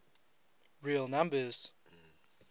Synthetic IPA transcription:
ɹiəlˠnãmbəz̥

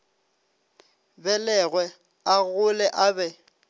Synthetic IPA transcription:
bɛlɛɣwɛ | aɣʊlɛʔabɛ

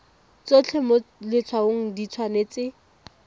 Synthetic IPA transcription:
t͡sot͡ɬʰɛmʊlɪt͡sʰwaoŋ̩dit͡sʰwaneːt͡sɪ

